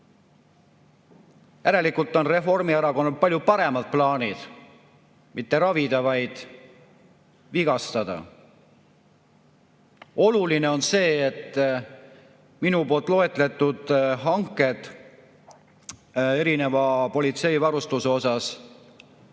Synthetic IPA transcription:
jæɾe̞likːˑult̪ːˑo̞nre̞fo̞rmiæɾɑko̞nːulpɑlʲjupɑɾe̞mɑd̪̥̚plɑːnʲid̪̥ | mit̪ːe̞ɾɑvid̪̥ɑvɑjd̪̥ | viɡ̥ɑst̪ɑd̪̥ɑ̰ | o̞luline̞o̞nse̞ːet̪ː | minupo̞ːlt̪ːˑlo̞e̞t̪ˑle̞t̪ːˑud̪̥ɦɑŋkːˑe̞d̪̥ | e̞ɾine̞vɑpo̞lʲit̪se̞jvɑɾust̪useo̞sɑs

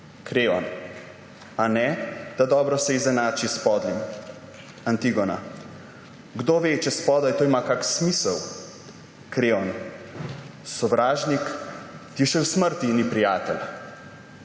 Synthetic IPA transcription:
kɾeːɔn | anɛd̪̥ad̪ɔːbɾɔsɛizɛnaːt͡ʃispɔːd̪lim | ant̪iɡɔna̰ | ɡd̪oːʋeːt͡ʃɛspɔːd̪ajt̪oːimakaːksmiːsəw | kɾeːɔn | sɔʋɾaːʒnikt̪iʃɛwsməɾt̪inipɾijaːt̪ɛl

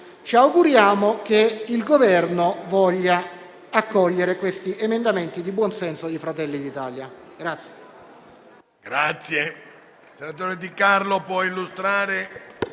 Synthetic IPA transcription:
t͡ʃiawɡuɾjaːmok̟eilɡovɛrnovɔʎːa | akːɔʎːeɾekwest̪iʔemend̪ament̪id̪ibwɔnsɛnsod̪ifɾat̪ɛlːid̪it̪aːljaɡ̥ɾat̪sːje̥ | ɡ̥ɾat̪sːje | senat̪̬oːɾed̪ikarlopwɔilːust̪ɾaːɾe

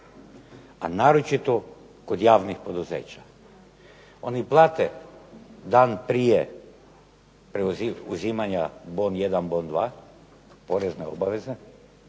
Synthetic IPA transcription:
anaːɾot͡ʃit̪o | kod̪jaːʋnixpo̞d̪uzḛːt͡ɕḁ | o̞̰niplˠaːt̪e | d̪aːnpɾije | pɾeuziuzimaɲabonje̞d̪anbo̞ːnd̪ʋaː | po̞ɾezneo̰baʋe̞ze

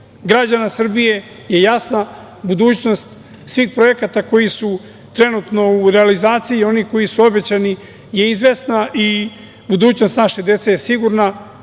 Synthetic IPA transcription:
ɡɾad͡ʑanasr̩bije̞ | je̞jasna | bud̪uːt͡ɕno̞st̪ | sʋiːxpɾo̞jekat̪ako̞jisu | t̪ɾe̞nut̪no̞uɾe̞alizaːt̪siio̞niko̞jisuo̞be̞t͡ɕani | je̞izʋe̞snaʔi | bud̪uːt͡ɕno̞st̪naʃed̪je̞t̪sejesiɡuɾna

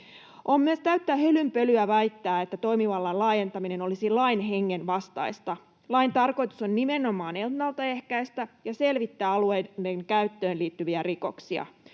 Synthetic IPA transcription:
ʔomːyøst̪æyt̪ːæhølympø̞lyæʋæjt̪ːæːet̪ːæt̪o̞jmiʋɑlːɑnlɑːje̞nt̪ɑmine̞no̞lisilɑinɦeŋːenʋɑst̪ɑ̰ist̪ɑ | lɑint̪ɑrko̞jt̪uso̞nːimeno̞mɑːnenɑlt̪ɑehkæjst̪æjɑse̞lʋit̪ːæːɑluejdeŋkæyt̪ːøːnliːt̪ːyʋiæriko̞̰ksiɑ̰

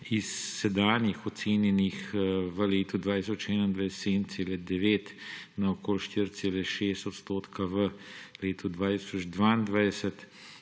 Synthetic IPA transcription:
isːɛd̪aːnjixɔt̪seːnjɛnixʋəleːt̪ud̪ʋaːt̪isɔt͡ʃɛːnaind̪ʋajst̪seːd̪nt̪seːlɛd̪ɛʋeːt̪naokoːlʃt̪iɾt̪seːlɛʃeːst̪ɔt̪st̪oːt̪kʰaʋəleːt̪ʰud̪ʋaːt̪i̥sɔd͡ʒd̪ʋaːind̪ʋajd̪ɛsət̪

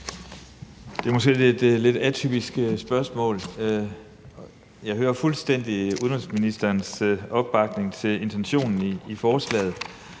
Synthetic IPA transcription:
d̥e̝ɐmɔ̽sɡ̥e̝̰ed̥le̝d̥æt͡sʰy̰b̥isɡ̥sb̥ɶɐsmɔ̰̽ːl | jɑ̈ɪhøːɐfulsd̥en̰d̥iuðˠnɛlsminisd̥ɐːnsɒ̽b̥ːɑ̈ɡ̥ne̝ŋt͡sʰe̝le̝nt͡sʰenɕo̝̰ːnn̩iifɒːslɛ̰ːð̩ˠ

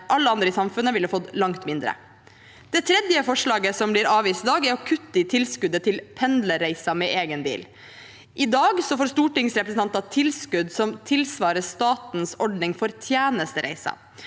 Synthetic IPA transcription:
ʔɑlːəɑnd̪ɾəɪsɑmfʉnːəʋɪlːhɑfɔd̪lɑŋt̪mɪnd̪ɾə̰ | d̪̥ɛt̪ʰɾɛd̪jəfɔʂɭɑːɡəsɔmblɪɾɑːʋiːst̪d̪ɑːɡæɾɔkʰʉt̪ːəɪt̪ʰɪlskʉd̪ət̪ʰɪlpʰɛnd̪ləɾæɪsɑmɛʔeːɡənb̪ḭːl | ʔɪd̪ɑːɡsɔfoːɾst̪uːʈɪŋsɾɛpɾəsn̩ɑnt̪ɑt̪ʰɪlskʉd̪sɔmt̪ʰɪlsʋɑːɾəst̪ɑːt̪nsɔɖnɪŋfɔɾt̪ʰjæːnəst̪əɾæ̰ɪsɑ̰

